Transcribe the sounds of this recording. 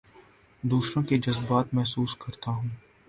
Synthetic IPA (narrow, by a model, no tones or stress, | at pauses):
d̪uːsɾõked͡ʒɐzbaːt̪mɛɦsuːskɐɾt̪aɦũː